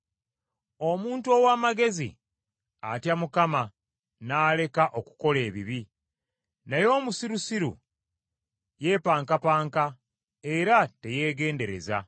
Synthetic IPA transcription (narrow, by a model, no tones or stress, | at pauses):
o̞muːntuo̞ːwaːmaɡe̞zḭ | atjamukama | naːle̞kaʔo̞ku̥ko̞le̞ːβiβi | najo̞ːmusiɾusiɾṵ | je̞paːŋkapaːŋka | e̞ɾate̞je̞ːɡe̞ːnde̞ɾe̞̰za̰